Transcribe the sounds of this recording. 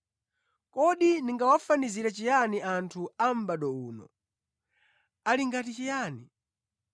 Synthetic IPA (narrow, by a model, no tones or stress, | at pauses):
kɔɗiniŋɡawafaniziɾat͡ʃijaniantʰuam̩baɗɔuːnɔ̰ | aliŋɡatit͡ʃijaːni